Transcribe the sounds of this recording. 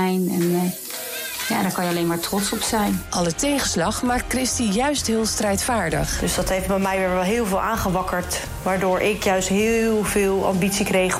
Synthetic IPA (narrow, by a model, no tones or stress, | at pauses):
jnɛn | jaːdaɹkɑnjəɑlejnmaːɹtrɔtsɔpsɛjnʔɑlˠətejχəslɑχmaːk̚t̚krɪstijœɥstɦɪːlˠstrɛjtfaːɹdə̰χd̥ɵsd̥ɑtɦejftbɛmɛjʋɪːɹʋɛlˠɦɪːlˠvɪːlˠʔaːnχəʋɑkəɹt | ʋaːɹdʊːɹʔɪkjœɥstɦɪlˠvɪːlˠɑ̰mbitsikrejχ